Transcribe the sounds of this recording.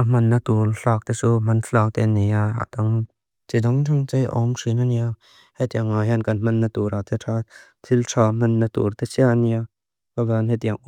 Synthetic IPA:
ʔam̥ɐnːɐt̪urɬaːk̚t̪ɛt͡sum̥ɐnɬaːk̚t̪ɛniaa̰t̪ɐŋ | t͡sidɔŋtʰaŋt͡sejʔɔ̰mʂinania | hɛt̪iaŋːaɦjankɐnm̥ɐnːɐt̪uɾat̪ʰɛtʰat̪ʰiltʰaːm̥ɐnːɐt̪ṵɾt̪ɛsiania | kabaanhejt̪iaŋʔu

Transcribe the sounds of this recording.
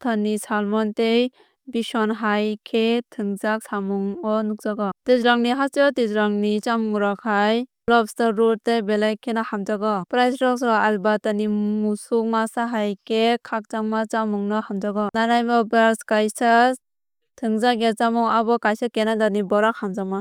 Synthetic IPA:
tʰanːisalmɔntej | bisɔnɦajkʰetʰɯŋzak̚samuŋɔnuk̚zaɡɔtizɾaŋniɦat͡ʃɯtizɾaŋnit͡ʃamŋuɾakhajblɔbstɔɾuɾ̚tejbelajkʰenɔhamd͡ʒaɡɔpɾajsɾɔks̬ɔalbatanimusuk̚masaɦajkʰekʰak̚t͡ʃaŋmat͡ʃamuŋnɔhamd͡ʒaɡɔnaɾajbɔbaskajsas | tʰɯŋzakjet͡ʃamuŋabɔkajsakenadanibɔɾak̚hamd͡ʒama

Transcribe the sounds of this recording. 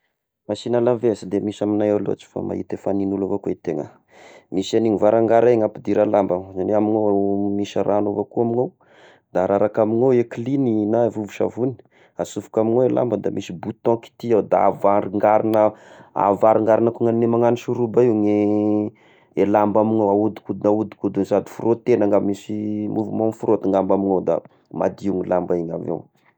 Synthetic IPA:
masinalavesid̪emisaminajawlo̰at͡ʃi̥fa̰ma̰ɦḭt̪efaninulavakuet̪eŋə̰ | misaniɲivaɾaŋɡaɾaŋapid̪iɾalambamzaneaminomiʃaɾʔanovakuaminow | d̪aɾaɾakaminoweklininavuvu̥ʃa̰vuni̥ | asufu̥kamiŋoela̰mbəd̪a̰misibut̪ɔ̃ki̥t̪iawd̪aavaɾiŋɡaɾinəa̰vaɾiŋɡaɾinakuŋaninemaŋaniʃuɾubaiŋe | elambamiŋawaud̪i̥kud̪inaud̪i̥kud̪unzad̪i̥furʔot̪enaŋɡammisimʔuvumonifuɾot̪iŋɡambamiŋowd̪a̰ | ma̰d̪iuŋilambaeɲa̰vḛw

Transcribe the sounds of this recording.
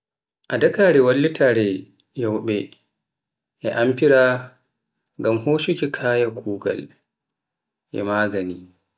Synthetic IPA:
ʔadakaːɾɛwalːitʰaɾɛ | jɔwɓɛ | ʔɛʔampiɾa | ŋɡamhoːʃukikʰaːjakʰuːɡa̰l | ʔɛ̰maːɡani

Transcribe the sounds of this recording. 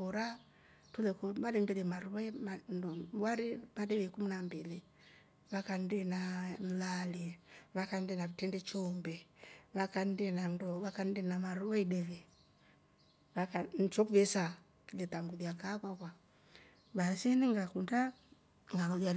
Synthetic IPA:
kɔɾa | tulɛkɔmalɛndɛlɛmaɾuwɛmandɔwaɾimadɛβɛkumunambɛli | βakandɛnam̩laliβakandɛnaβitɛndɛt͡ʃɔmbɛβakan̩dɛnandɔβakandɛnamaɾuwɛidɛβɛ | βakan̩t͡ʃɔkuβɛsa | kilɛtaŋɡuðiakakwakwa | βasɛniŋɡakunda | ŋɡalia

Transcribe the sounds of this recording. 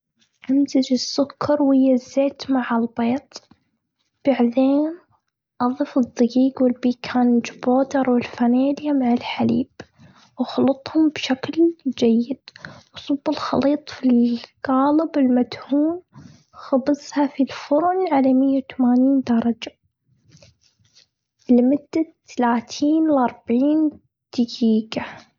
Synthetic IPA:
ʔamzad͡ʒɪsːʊkʰːɑɾˤwɪjːazːeːt̪maʕalbeːt̪ˤ | b̥aʕd̪eːn | ʔɑðˤifɨd̪ˤːɑɡiːɡwɪlbiːkʰaːnd͡ʒboːd̪ɑɾˤwɪlfaneːljamaʕalħalḭːb | wxlʊt̪ˤhʊmbʃakld͡ʒajːɪd̪̥wsˤubːɪlxɑliːt̪ˤfilɡɑːlɪbɪlmad̪huːn | xɑbɨsˤhafilfʊɾˤnʕalamɪjːawt̪amaːniːnd̪ɑɾˤɑd͡ʒa | lɪmʊd̪ːat̪ːalaːt̪ʰiːnlʔɑɾˤbaʕiːn | d̪̥ɪɡiːɡa

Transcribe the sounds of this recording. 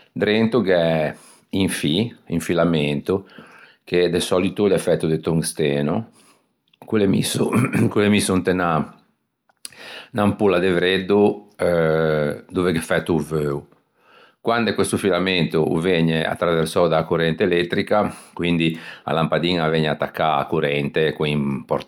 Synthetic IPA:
d̪ɾent̪ukɛ | iɱfiiɱfilament̪u | ked̪esɔlit̪ulɛfːɛt̪ːud̪et̪uŋst̪eːno | kulemḭsokulemisunt̪ena | nampulːad̪evɾed̪ːu | d̪uveɡefɛt̪ːuvøːu | kwand̪ekwest̪ufilament̪ṵveɲːea̰t̪ːɾaveɾsɔd̪akuɾɛnt̪eelɛt̪ːɾikakwind̪ia̰lampad̪iːŋaveɲːeat̪ːakʰːaa̰kuɾɛnt̪ekimpɔ̰ɾ

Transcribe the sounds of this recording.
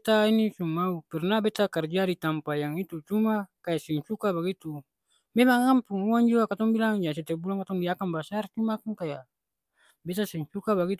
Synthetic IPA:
t̪ainisumaupɛrnabɛt̪akard͡ʒaɾit̪ampajaŋit̪ut͡ʃumakajasɛŋsukabaɡit̪u | memaŋampuŋuaŋd͡ʒuakat̪ɔŋbilaŋjas̬ɛt̪ɛbulaŋkat̪ɔŋdiakanbasart͡ʃumakaŋkaja | bɛt̪asɛŋsukabaɡit̪

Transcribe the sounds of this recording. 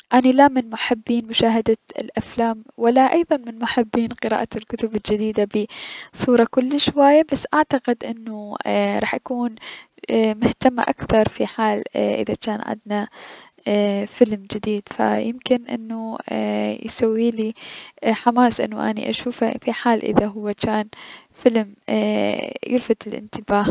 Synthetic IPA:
ʔanilamɪnmʊħabːiːnmʊʃaːɦad̪aɪ̰lʔaflaːmwalːaʔɑjðˤɑnmɪnmʊħabːiːnqɨɾa̰ːʔalkʊt̪ʊbɪld͡ʒɪd̪iːd̪abɪsˤuːɾˤɑkʊlːʃwajːabasːʔaʕt̪aqɪd̪ʔɪnːuɾˤɑːħʔakuːn | mʊht̪amːa̰ʔa̰kθɑɾˤfiħaːlʔɪ̰ðat͡ʃaːnʕɪ̰nd̪na | fɪlmd͡ʒɪd̪iːd̪fa̰jɪmkɪnʔɪ̰nːu | jsawːiːliħamaːsʔɪ̰nːṵʔa̰nḭʔa̰ʃuːfafiħaːlʔɪ̰ðaɦʊwːat͡ʃaːn | fɪlm | jʔʊlfat̪ɪlʔɪ̰nt̪ɪbaːh

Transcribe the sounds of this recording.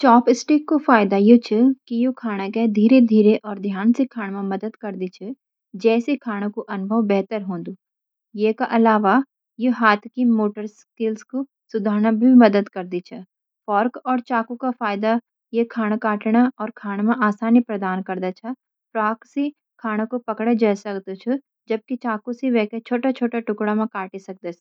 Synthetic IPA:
t͡ʃɔːpɪsʈikːofaːɪd̪ajot͡ʃʰəkijokʰaːɽ̃akɛd̪ʱiːɾed̪ʱiːɾeʔɔːɾd̪ʱjaːnsekʰaːɽ̃mãmɐd̪əd̪kɐɾd̪it͡ʃʰə | d͡ʒɛːsekʰaːɽ̃õkoʔɐnʊbʱəʋbɛɦt̪əɾɦõːnd̪uː | jeːkaʔɐlaːʋa | jeɦaːt̪ʰkimoːʈəɾskɪlsko | sʊd̪ʱaːɾnabʱimɐd̪əd̪kɐɾd̪it͡ʃʰɛ | fɔːɾkɔːɾt͡ʃaːkukafaːjɪd̪a | jekʰaːɽ̃kaːʈɽ̃aɔːɾkʰaːɽ̃mẽʔaːsaːnipɾɐd̪aːnkɐɾd̪at͡ʃʰɐ | pɾaːksi | kʰaːɽ̃õkopɐkɽed͡ʒɛːsɐkd̪ot͡ʃʰɛ | d͡ʒɐb̚kit͡ʃaːkusiʋɛːket͡ʃʰoːʈat͡ʃʰoːʈaʈʊkɽamẽkaːʈisɐk̚d̪et͡ʃʰ

